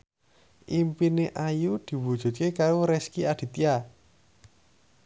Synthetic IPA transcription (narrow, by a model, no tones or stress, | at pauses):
ʔimpineʔajud̪̥i̤wud̥ʒ̥ṳt̪̚kekaɾoɾɛskiad̪̥i̤t̪ia